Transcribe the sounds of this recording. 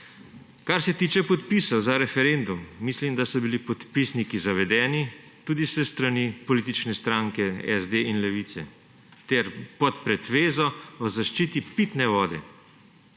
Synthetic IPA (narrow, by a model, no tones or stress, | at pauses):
kaɾsɛt̪iːt͡ʃɛpɔt̪pisɐwzaɾɛfɛɾend̪umːislimd̪asɔbilipɔt̪pisnikizaʋɛd̪ɛːni | t̪uːd̪isɛst̪ɾanipɔliːt̪̬it͡ʃnɛst̪ɾaŋkɛɛ̰zd̪einlɛʋiːt̪sɛ̰ | t̪ɛɾpɔt̪pɾɛt̪ʋeːzɔɔzaʃt͡ʃiːt̪ipit̪nɛʋɔːd̪ɛ̰